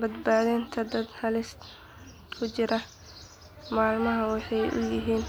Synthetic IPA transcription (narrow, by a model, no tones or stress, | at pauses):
bɐd̪baːðɪnt̪ʰɐd̪ɐd̪hɐlɪst̪ | kʰʊt͡ʃɪɾɐ | maːlmɐɦɐwɑħɑjʔʊ̰jɪɦiːn